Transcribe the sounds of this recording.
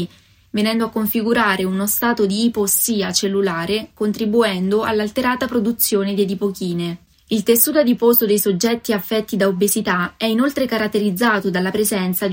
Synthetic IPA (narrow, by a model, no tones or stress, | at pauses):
venɛnd̪oakːoɱfiɡuɾaːɾeunost̪aːt̪od̪iːposiːat͡ʃelːulaːɾekont̪ɾibuɛnd̪oa̰lːalt̪eɾaːt̪apɾod̪ut̪sːjoːned̪ed̪ipokiːne | ilt̪esːuːt̪ad̪iposod̪ejsod͡ʒːɛt̪ːiafːɛt̪ːid̪aobezit̪aɛinolt̪ɾekaɾat̪ːeɾid̪zːaːt̪od̪alːapɾezɛnt̪sad̪